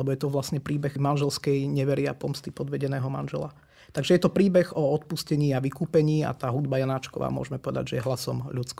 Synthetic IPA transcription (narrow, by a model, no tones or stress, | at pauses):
lɛbɔjɛt̪ɔʋlasɲɛpɾiːbɛɣmanʒɛlskɛjɲɛʋɛɾɪapɔmst̪ipɔd̪ʋɛɟɛnɛːɦɔma̰nʒɛla | t̪aɡʒɛjɛt̪ɔpɾiːbɛɣɔɔt̪puscɛɲiːaʋikuːpɛɲiːa̰t̪aːɦud̪bajanaːt͡ʃkɔʋa̰ːmʊɔ̰ʒɛmɛpɔʋɛd̪a̰ɟʒɛjɛɦlasɔmʎut͡sk